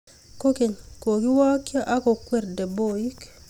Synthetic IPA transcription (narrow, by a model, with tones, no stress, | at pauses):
koke˨ɲko˨ki˦waː˦kːi˦a˦ʔa˦ko˨kʷɛɾde˨boji˦k